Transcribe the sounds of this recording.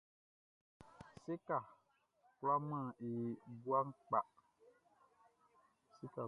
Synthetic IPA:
se˦ka˨ | kla˦mã˦˨e˨bu˦a˦ŋ˦k͡pa˨ʔ | si˦ka˨

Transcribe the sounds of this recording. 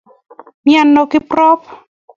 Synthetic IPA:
mja˨nːɔ˨kɪ˦prɔ˦p

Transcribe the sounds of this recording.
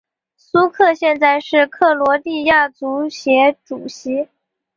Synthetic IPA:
su˥kʰɤ˥˧ɕjɛ˥˧nt͡sa˥˧ɪʂɻ̩˥˧kʰɤ˥˩lwɔ˧˥t̪i˥˧ja˥˩t͡su˧˥ɕjɛ˧˥ʈ͡ʂu˨˩ɕi˧˥

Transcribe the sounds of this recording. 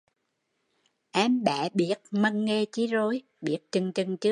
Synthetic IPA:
ʔaː˨˦mɓa̰ː˧˩ɓi˦˥ət̚mə˧ŋŋe˧t͡ɕi˨˦zo˨˦j | ɓi˦˥ət̚t͡ɕɨ˧ŋt͡ɕɨ˧ŋt͡ɕɨ˦˥ə

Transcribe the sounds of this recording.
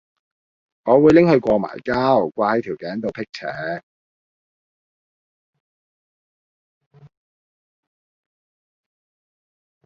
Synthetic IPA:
ŋɔː˨˧wuː˨˧jlɪ˥ŋhɵ˧ɥkʷɔː˧ma̰ː˨˩jkaː˥wkʷaː˧jt̪ʰi˨˩wkɛː˨˥nt̪o˨wpʰɪ˥k̚t͡sʰɛ̰ː˨˥

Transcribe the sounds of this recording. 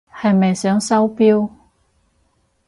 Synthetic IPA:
hɐ˨jmɐ˨jsœː˨˥ŋsɐ˥wpiː˥w

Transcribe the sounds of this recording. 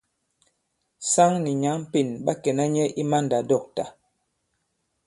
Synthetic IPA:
sa˦ŋni˨ɲa˨˦m˦pi˨nɓa˦kɛ˨na˦ɲɛ˦ʔi˦ma˦nda˨dɔ˦˨k̚ta˨

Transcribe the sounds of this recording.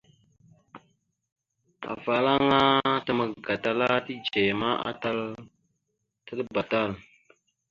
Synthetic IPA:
a̰˨fa˨la˦ŋa˦tə˨ma˨ɡa˨ta˦la˦ti˦d͡ʒe˨ma˦ʔa̰˦ta˦l | tə˦lba˨ta˦˨l

